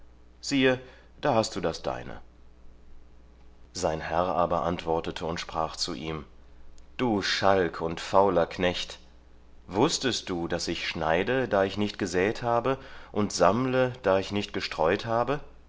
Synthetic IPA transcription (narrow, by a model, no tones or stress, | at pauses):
z̥iːə | d̥aːhast̚d̥uːdasd̥a̰ɪnə̰ | zaɪnhɛʁʔaːbɐʔantv̥ɔɐtətʰəʊntʃpʁ̥aːχt͡sṵʔiːm | d̥uːʃalkʰʊntfaʊlɐkʰnɛçt | vʊstəst̚d̥uːdasɪçʃna̰ɪdədaːɪçnɪçt̚ɡ̥əzɛːthaːbəʔʊntz̥amləd̥aːɪçnɪçtɡ̥əʃtʁ̥ɔʏthaːbə